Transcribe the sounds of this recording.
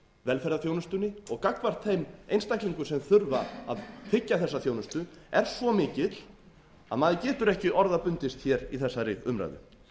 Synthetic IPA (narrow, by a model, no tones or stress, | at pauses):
vɛlfɛɾðaθjownʏst̪ʏnːɪɔɣkakvar̥t̪θejmejnst̪ajkliŋkʏsɛmθʏɾvaaðfɪcːaθɛsːaθjoːwnʏst̪ʏɛɾ̥svɔmɪːcɪt̪l̥ | a̰ðmaːðɪcɛːt̪ʏɾɛhcɪʔɔɾðapʏnt̪ɪst̪çɛɾiθɛsːaɾɪʏmɾa̰jðʏ̰